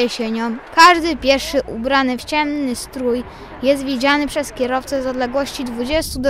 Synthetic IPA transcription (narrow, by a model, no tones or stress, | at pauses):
ɛɕɛɲɔmkaʐd̪ɘpʲjɛɾfʂɘʔubɾanɘft͡ɕɛmnːɘst̪ɾuj | jɛst̪vʲid͡ʑanɘpʂɛskʲɛɾɔft̪sɛzɔd̪lɛɡwɔɕt͡ɕid̪vud͡ʑɛst̪ud̪